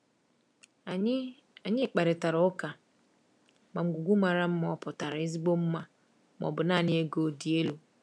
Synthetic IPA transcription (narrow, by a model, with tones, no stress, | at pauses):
a˨˦ | a˨ɲɪ˦˨k͡pa˨ɾɪ˨ta˨ɾʊ˦ʊ˦ka˨ | ma˨ŋ͡m̩˨ɡu˨ɡʷu˦ma˨ɾa˦m̩˦m˦ɔ˦pʊ˨ta˨ɾɪ˦zi˦ɡ͡bo˦m̩˦ma˦ | mɔ̰˨bʊ˨na˦˨ɲɪ˦e˦ɡo˨di˨e˦lo˨